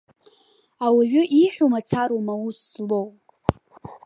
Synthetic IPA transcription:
awaɥʷᶣʏʔiħʷᶣomat͡sʰaɾomauslow

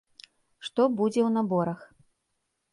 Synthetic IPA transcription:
ʂt̪ɔbud͡zʲɛwnabɔɾɐx

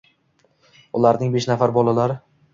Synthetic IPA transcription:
ʊlaɾnɪŋbeʃnafaɾbɒlalaɾɪ

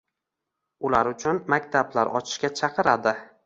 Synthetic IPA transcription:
ʊlaɾʊt͡ʃʰʊnmakʲt̪ʰablaɾʔɒt͡ʃʰɪ̥ʃkʲat͡ʃʰɑqʰɨɾad̪ɪ

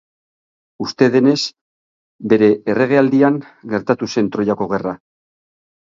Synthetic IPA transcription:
ust̪e̞ðe̞ne̞s | be̞ɾe̞ːre̞ɣ̞e̞ald̪iaŋ | ɡe̞ɾt̪at̪use̞nt̪ɾo̞jako̞ɣ̞e̞ra

